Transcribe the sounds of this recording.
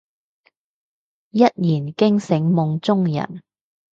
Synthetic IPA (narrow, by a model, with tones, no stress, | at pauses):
jɐ˥t̚jiː˨˩nkɪ˥ŋsɪ˨˧ŋmʊ˨˧ŋt͡sʊ˥ŋjɐ̰˨˩n